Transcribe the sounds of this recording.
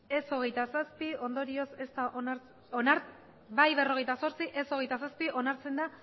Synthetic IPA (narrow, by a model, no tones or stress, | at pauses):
e̞so̞ɣ̞e̞jt̪asaspio̞nd̪o̞ɾio̞se̞st̪aʔoaɾ | onaɾ | bajβe̞ro̞ɣ̞e̞jt̪aso̞ɾt͡siʔe̞so̞ɣ̞e̞jt̪as̬aspiʔo̞naɾt͡se̞nd̪a